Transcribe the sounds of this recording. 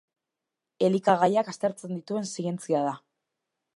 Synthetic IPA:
e̞likaɣajakast̪e̞ɾt͡se̞nd̪it̪ue̞nsiɣe̞nt͡siað̞a

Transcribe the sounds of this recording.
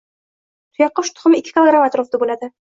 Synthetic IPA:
t̪ʰʊjɑqːoʃt̪ʰʊ̥̆χʊmikʲːɪ̥kʲɪlˠoɡɾamat̪ɾofd̪abulad̪ɪ

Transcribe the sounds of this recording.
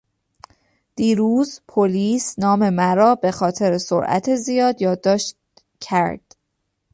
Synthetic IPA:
d̪̥iːɾuːzpʰoliːsnɒːme̞mæɾɒːbe̞xɒːt̪ʰe̞ɾeso̰ɾʔæ̰t̪ʰezijɒːd̪jɒːd̪ːɒːʃt̪ | cʰæɾd̪̥

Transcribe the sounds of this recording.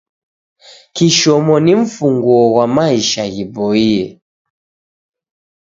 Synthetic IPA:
kiʃɔmɔniɱ̩fuŋɡɔwamaiʃaɣibɔiɛ

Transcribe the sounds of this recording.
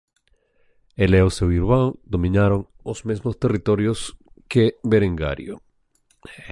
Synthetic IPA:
eleosewiɾβand̪omĩnaɾoŋ | ozmezmost̪e̞rit̪oɾjos | kebeɾeŋɡa̰ɾjo̰

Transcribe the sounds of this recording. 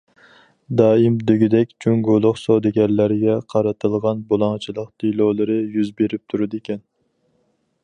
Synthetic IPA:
d̪ɑːimd̪yɡʲid̪ɛkʲd͡ʒʰyŋɡolˠʊχsod̪ɪɡʲɛɾlæɾɡʲɛqʰɑɾɨt̪ʰɨlˠʁɑnbolˠɑŋt͡ʃʰilˠəqt̪ʰilˠowlˠɨɾɨjyzbeɾɪp̚t̪ʰuɾɨd̪ekʲʰɛn

